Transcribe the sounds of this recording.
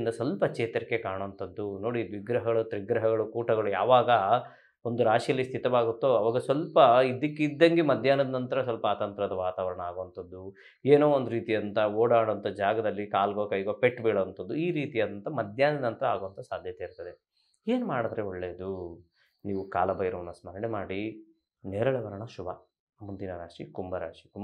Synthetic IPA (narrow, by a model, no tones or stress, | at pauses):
nd̪ɐsʋɐlpɐt͡ʃeːt̪ɐɾikːekaːɳoɐnt̪ɐd̪ːuno̞ːɽiʋiɡɾɐɦɐɡɐɭut̪ɾiɡɾɐɦɐɡɐɭukuːʈɐɡɐɭuja̰ːʋaːɡɐ | ond̪uɾaːʂijɐlːist̪ʰit̪ɐʋaːɡut̪ːoɐʋaːɡɐsʋɐlpɐid̪ikːed̪ːɐŋɡemɐd̪ʱjaːnɐd̪ɐnɐnt̪ɐɾɐsʋɐlpɐaːt̪ɐnt̪ɾɐd̪ɐʋaːt̪aːʋɐɾɐɳɐaːɡoʋɐnt̪ɐd̪ːu | eːnoːond̪uɾiːt̪ijɐnt̪ɐoːɽaːɽoɐnt̪ɐd͡ʒaːɡɐd̪ɐlːikaːlɡoːkɐjɡoːpeʈːbeːɭoʋɐnt̪ʰɐd̪ːuiːɾiːt̪ijɐd̪ɐnt̪ɐmɐd̪ʱjaːnɐd̪nɐnt̪ɐɾɐaːɡoʋɐnt̪ɐsaːd̪ʱjɐt̪eiɾut̪ɐd̪e | eːnumaːɽɐd̪ɾeoɭːe̞ːd̪u | niːʋuka̰ːlɐbɐjɾɐʋɐnːɐsmɐnɐɳemaːɽi | neːɾɐɭɛʋɐɾɐɳɐʃubɐ | mund̪inɐɾaːʂikumbɐɾa̰ːʂi̥kum